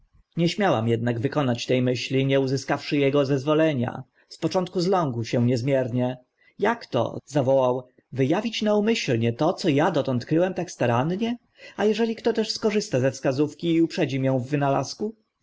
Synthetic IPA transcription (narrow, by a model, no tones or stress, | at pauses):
ɲɛɕmʲjawamjɛd̪naɡvɘkɔnat͡ɕt̪ɛjmɘɕlʲiɲɛuzɘskafʂɘjɛɡɔzɛzvɔlɛɲa̰ | spɔt͡ʂɔnt̪̚kuzlɔ̃ŋɡwɕɛɲɛzmʲjɛɾɲɛ | jakt̪ɔ̰zavɔwaw | vɘjavʲit͡ɕnaumɘɕlɲɛt̪ɔt̪sɔjad̪ɔt̪ɔ̃nt̪kɾɘwɛmt̪akst̪aɾanɲɛ | ajɛʐɛlʲikt̪ɔt̪ɛʂskɔʐɘst̪azɛfskazufkʲiːupʂɛd͡ʑimʲjɛ̃w̃vːɘnala̰sku